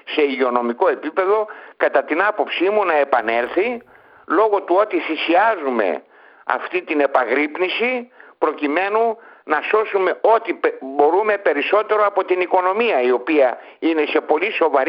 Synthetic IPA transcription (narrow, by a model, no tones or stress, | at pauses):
se̞iʝeo̞no̞miko̞e̞pipe̞ðo̞kɐt̪ɐt̪inɐpo̞psimunɐe̞pɐne̞lθi | lo̞ɣo̞t̪uo̞t̪iθisiɐzume̞̰ | ɐ̰ft̪it̪ine̞pɐɣɾipnisipɾo̞cime̞nunɐso̞sume̞o̞t̪ibo̞ɾume̞pe̞ɾiso̞t̪e̞ɾo̞ɐpo̞t̪iniko̞no̞miɐio̞piɐ | ine̞se̞po̞liso̞vɐɾ